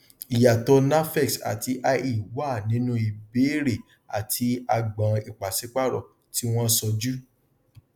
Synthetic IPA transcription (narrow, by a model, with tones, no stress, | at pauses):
i˨ja˨tɔ˧na˦fɛ˦˨ksa̰˨ti˧ʔa˧i˦˨waː˦˨nĩ˨˦nũ˦i˧˨be˨˦ɾe˨ | a̰˨tʰi˧a˧ɡ͡bã˨˧i˨k͡pa˨se˨˦k͡pa˦˨ɾɔ̰˦˨ | ti˦w̃ɔ̃˦sɔ˧d͡ʒu˦